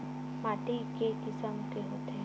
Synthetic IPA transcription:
maːʈikekɪsəmkeɦoːt̪eɦ

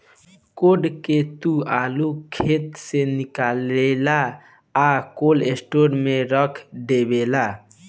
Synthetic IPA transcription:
koɖket̪ualukʰet̪senikalela | akolesʈoɾmeɾəkʰɖebela

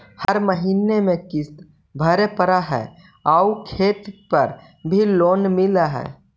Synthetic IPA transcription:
həɾməɦinemẽkɪs | bʱəɾepəɾaɦɛ̰ | aukʰeːt̪pəɾ | bʱiloːnmɪlaɦɛ̰ː

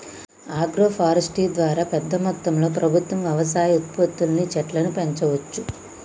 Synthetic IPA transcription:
aːɡɾoːpʰaːɾɐsʈiːd̪ʋaːɾaːpɛd̪ːɐmɐt̪ːɐmlo̞ːpɾʔɐbʱut̪ʋɐmʋjɛʋɐs̬aːjɐut̪̚pɐt̪ːulnit͡ʃɛʈlɐnupeɲt͡ʃɐʋɐt͡ʃːu

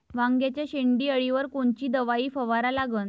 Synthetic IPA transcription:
ʋãŋɡjat͡ɕjaɕeɳɖiːəɭiʋəɾkoɳt͡ɕiːd̪əʋaiːfəʋaɾalaɡəːn

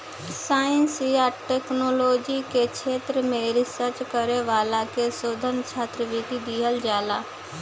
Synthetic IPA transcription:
saːənsiaːʈeːknoːloːd͡ʒiket͡ʃʰeːt̪ɾəmẽɾɪsəɾt͡ʃkəɾeʋaːlakesoːd̪ʱənt͡ʃʰaːt̪ɾəʋɪt̪id̪iɦəld͡ʒaːlaː

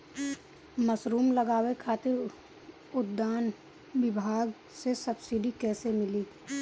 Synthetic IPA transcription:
məsɾuːmləɡaːwekʰaːt̪ɪɾ | ʊd̪ːaːn | ʋɪbʱaːɡ | sesəbsɪɖikɛːsemɪliː

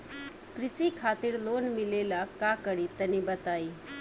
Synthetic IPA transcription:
kɾɪsikʰaːt̪iɾlonmilelakakəɽit̪ənibət̪aːi

